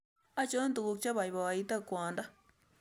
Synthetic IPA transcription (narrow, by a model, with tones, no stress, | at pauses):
a˦t͡ʃo˦nd̪u˧ku˧k̚t͡ʃa˦βa˨jβa˨a˧i˧t̪a˦kʷã˨nd̪a˦